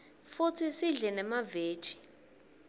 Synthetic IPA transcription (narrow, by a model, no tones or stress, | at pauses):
fut͡sʰisiɮɛnɛmave̥ːt͡ʃʼi̥